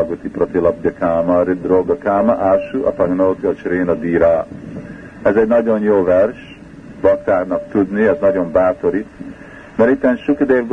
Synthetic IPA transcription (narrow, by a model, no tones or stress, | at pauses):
ɡot̪iprot̪ilɒb̚ɟɒkaːmɐɾib̚d̪ɾoːɡɑkaːmɐʔaʃuʔɒ̰pɐɡnoːt̪iɒt͡ʃɾeːnɒd̪iːɾaː | ɛzɛɟnɒɟo̞njoːvɛrʃ | bɒkt̪aːrnɒk̚t̪ud̪niɛznɒɟo̞mbaːt̪o̞ɾi | mɛɾit̪ːɛnʃukd̪eːvɡ